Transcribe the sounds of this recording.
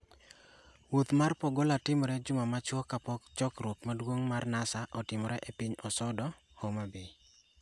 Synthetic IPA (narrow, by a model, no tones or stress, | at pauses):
wot̪marpɔɡɔlatɪmɔɾɛd͡ʒʊmamat͡ʃwɔkapɔkt͡ʃɔkɾwokmadwoŋmarnasaʔɔtɪmɔɾɛʔepiɲɔsɔdɔ | homabɪ